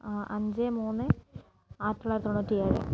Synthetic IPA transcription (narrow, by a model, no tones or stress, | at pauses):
ɐɲd͡ʑemuːnːɨ | aːt̪ːɐɭaːɾt̪oɳːutːijaːɾɨ̰